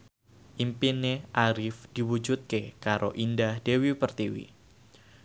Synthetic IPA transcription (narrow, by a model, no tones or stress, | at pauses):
ʔimpineʔaɾɪfd̥iwud͡ʒut̪̚kekaɾʔo̰ʔindahd̥ewipərt̪iwḭ